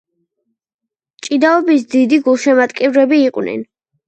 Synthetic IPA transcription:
t͡ʃʼid̪aɔbis̬d̪id̪iɡulˠʃɛmat̪ʼkʼivɾɛbiːqʼwnɛ̰n

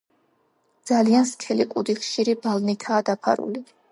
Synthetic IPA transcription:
d̪z̥alianskʰɛliqʼud̪iχʃiɾibalˠnit̪ʰaːd̪apʰa̰ɾṵli

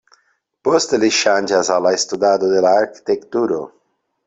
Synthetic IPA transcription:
post̪eliʃanʲd͡ʒazalaest̪ud̪ad̪od̪elaːɾki̥t̪ekt̪uɾo̰

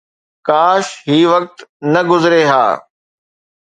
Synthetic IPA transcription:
kaːʃɦiːʋɐk̚t̪nɐɡʊzɪɾeɦa̰ː

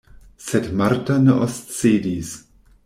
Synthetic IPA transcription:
sedmaɾtaneʔost͡seːdis

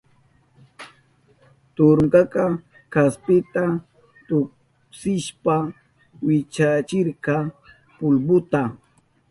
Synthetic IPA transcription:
t̪ʊɾŋkɑkɑ | kaspɪt̪a | t̪ʊk | sɪʃpa | wɪt͡ʃat͡ʃɪɾkɑ | pʊlbʊt̪a

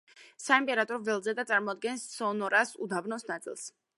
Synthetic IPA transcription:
saimpʼɛɾat̪ʼɔɾɔvɛlˠzɛd̪at̪sʼaɾmɔad̪̚ɡɛnsːɔnɔɾasud̪abnɔsnat̪sʼḭlˠs

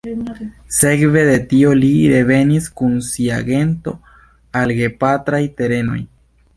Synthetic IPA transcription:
se̞kve̞d̪e̞tio̞liɾe̞ve̞niskunsia̰ɡe̞nto̞ | alɡe̞pat̪ɾajt̪e̞ɾe̞no̞̰j

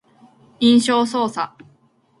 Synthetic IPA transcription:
ĩɰ̃ɕo̞ːsoːsa

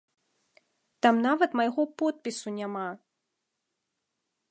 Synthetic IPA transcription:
t̪amnavɐt̪majɣɔpɔt̪̚pʲisunʲama

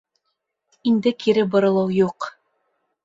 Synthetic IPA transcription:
ind̪ɘkʰiɾɘbɤ̆ɾɤ̆lˠɤwjuq

